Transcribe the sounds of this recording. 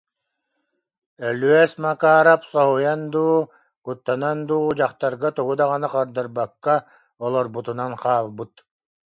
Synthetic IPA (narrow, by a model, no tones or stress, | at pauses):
œlyɛsmakaːɾapsɔɦujand̪uː | kut̪ːanand̪uːd͡ʑaχt̪aɾɡat̪uɡud̪aʁanaqaɾd̪ɯɾbakːa | ɔlˠɔɾbut̪unanqʰaːlˠbɯt̪